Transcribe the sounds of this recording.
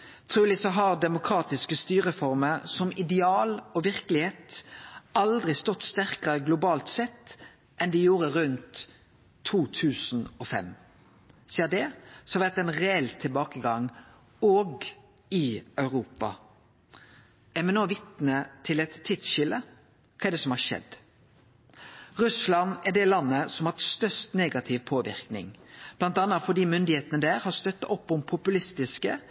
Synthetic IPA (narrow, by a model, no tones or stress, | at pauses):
t̪ʰʁʉːlɪsɔɦɑʁd̪ɛmʊkʰɾɑːt̪ɪskəst̪yːɾəfɔʁməɾsɔmɪd̪ɛɑːlɔʋɪʁkəlɪheːt̪ | ɑld̪ʁɪst̪ɔt̪ːst̪æʁkəʁəɡlʊbɑːlt̪sɛt̪ː | ʔɛnd̪ɪjuːɾəɾʉnt̪ʰː | uːt̪ʰʉːsn̩ɔfɛ̰m | siːəd̪ɛsɔhɑʋæʁt̪ɛnʁɛɛlt̪ʰɪlbɑːkəɡɑŋ | oːɡ | ɪœʉɾuːpɑ̰ | ɛɾmɛnoːʋɪt̪nət̪ʰɪlɛt̪ʰːɪt̪sɕɪlə | kʰɑːɛɖ̪ɛsɔmhɑːɾʂɛ̰d̪ | ɾʉslɑnɛɖ̪ɛlɑnːəsɔmhɑst̪œʂt̪neːɡɑt̪ʰɪʋpʰoːʋɪ̰ʁknɪ̰ŋb̥lɑnt̪ɑnɑfɔɖ̪iːmʏnd̪ɪheːt̪ənəd̪æːɾhɑɾst̪œt̪ːɑʔɔpːɔmpʰʊpʉlɪst̪ɪskə̰